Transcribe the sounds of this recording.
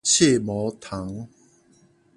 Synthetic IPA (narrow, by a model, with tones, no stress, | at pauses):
t͡ɕʰe˥˨mɔ˨˦t̪ʰa˨˦ŋ